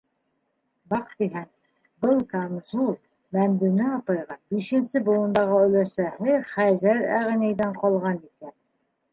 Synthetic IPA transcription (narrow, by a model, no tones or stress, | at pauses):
bɑqt̪iɦæŋ | bɤlˠkanzulˠ | mæmd̪ɘnɘɒpɑjʁɑbiʃɘ̆nsɘbŭlˠɤ̆nd̪ɑʁɤɵ̆læʃæhɘχæzæɾæ̰ʁnæjðæɴqɒlˠʁɑnikæn